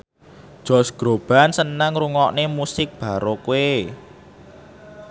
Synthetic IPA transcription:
ʒ̥ɔ̤sɡ̥ɾo̤b̥a̤nsənaŋruŋɔʔnemusɪk̚b̥a̤ɾokue

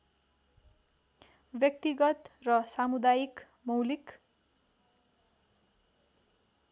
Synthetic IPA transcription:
bjʌk̚t̪iɡʌt̪rʌsamud̪ajik | mʌwlik

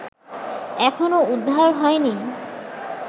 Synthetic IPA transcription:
ɛkʰonoud̪ʱːaɾɦɔeni

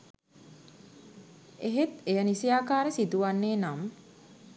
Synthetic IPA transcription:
eɦet̪ejənisijaːkaːɾəsid̪uʋanːeːnam

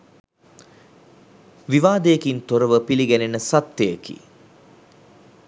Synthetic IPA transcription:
ʋiʋaːd̪əjekint̪oɾəʋəpiliɡænenəsat̪ːejekḭ

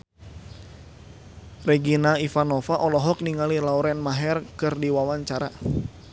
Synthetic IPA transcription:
rɛɡinaifanɔfaʔɔlɔɦɔk̚niŋalilauɾɛnmaɦɛrkɨrdiwawaɲt͡ʃaɾa

